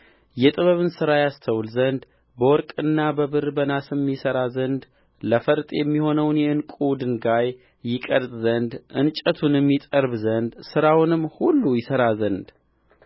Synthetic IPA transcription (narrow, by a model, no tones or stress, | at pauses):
jɛt̪ʼɨβəβɨnsɨɾajast̪ʰəwlzənd̪ | bəwɔɾkʼɨnːabəβɨɾbənasɨmːisəɾazənd̪ | ləfəɾt̪ʼjɛmːiho̞nəwnjɛɨnkʼuwd̪ɨnɡajː | ɪkʼəɾt̪ʼzənd̪ʔɨnt͡ʃʼət̪ʰunɛmːit̪ʼəɾbzənd̪sɨɾawnɨmːhulːujɪsəɾazənd̪